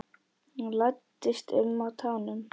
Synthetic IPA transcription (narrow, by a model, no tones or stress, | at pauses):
lajt̪ːɪst̪ɪ̰lmawt̪ʰaːwnʏm